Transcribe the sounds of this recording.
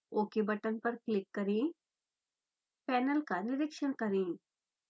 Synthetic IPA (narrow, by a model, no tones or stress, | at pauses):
oːkebɐʈənpɐɾklɪkːɐɾẽː | pɛːnəlkanɪɾɪkʃənkɐɾẽː